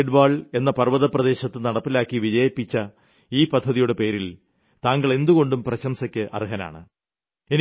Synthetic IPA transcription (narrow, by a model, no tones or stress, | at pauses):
ɖbaːɭe̞nːɐpɐrʋɐðɐprɐðe̞ːɕɐt̪ːɨnɐɽɐpːilaːkːiʋid͡ʑɐjɐpːit͡ɕːɐ | iːpɐd̪ʱːɐðijuɽepe̞ːɾil | t̪aːŋɡɐɭe̞nd̪uɣo̞ɳɖumprɐɕɐmsɐkʲːɨʔɐ̰riɦɐna̰ːɳɨ | en